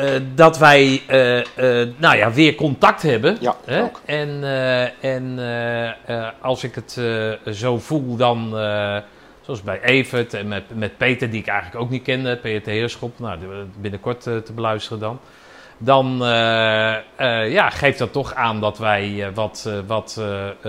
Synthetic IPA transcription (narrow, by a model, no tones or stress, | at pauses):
dɔtʋɛjə | nawjaʋɪərkɔntak̚thɛbəhɛɛn | ɛn | ɔlˠsɪkətzowfulˠdɔn | soɑsbɛjʔeːfətɛnmɛt̚peːtərdiɪkɛjɣələkowk̚nit̚kɪndəpetəhɪəɹskopnawbɪnəkɔɹttəbəlœɥstərədɔn | dɔn | əjaxejft̚dɔtɔxaːndɔtʋɛjʋɔtʋɔt